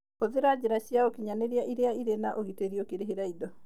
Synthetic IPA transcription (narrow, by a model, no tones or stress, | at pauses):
oðeɾad͡ʑeɾaɕjaokiɲaneɾeaʔiɾeaiɾenaʔoɣiteɾiokeɾeɦeɾaidɔ